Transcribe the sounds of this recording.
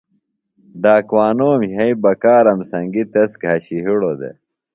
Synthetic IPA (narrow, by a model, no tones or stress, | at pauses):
ɖaːkwaːnoːmjɐibɐkaːɾɐmsɐŋɡit̪esɡʱɐɕiɦiɽod̪ḛ